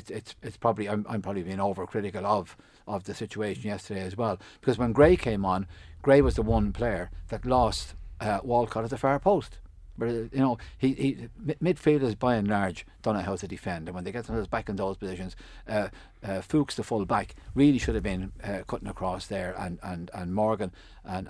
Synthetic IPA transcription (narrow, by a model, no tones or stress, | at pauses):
ɪtsɪtsɪtspʰɹ̥ɑbəbliãɪ̃mʔã̰ɪ̃mʰpɹ̥ɑbəblibĩɪ̃ŋoʊvə˞kʰɹ̥ɪɾɨkəlˠʌv | ʔəvðɨsɪt͡ʃueɪʃɨ̃njɛstə˞deɪɨzwɛlˠb̥ɪkʰʌzwə̃nɡɹeɪkʰẽɪ̃mə̃nɡ̥ɹeɪwʌzðəwʌ̃npʰl̥eɪə˞ðətˡlɔstʔwɔlˠkʰɑɾət̪ðəfɛɹpʰoʊstb̥ʌɾjɨnoʊiimmɪd̥filˠdə˞zbaɪə̃nlaɹd͡ʒd̥ʌ̃nəɦaʊɾɨdɨfɛ̃ndə̃nwə̃nðeɪɡɛtsnəzbakɨ̃nðoʊz̥pʰɨzɪʃɨ̃nz̥ | fuksðəfʊlˠbakɹilˠiʃʊɾəvbĩnkʰʊɾɪ̃ŋəkʰɹ̥ɔsðə˞ə̰̃nə̃nə̰̃nmɔɹɡə̃n | ʔə̃n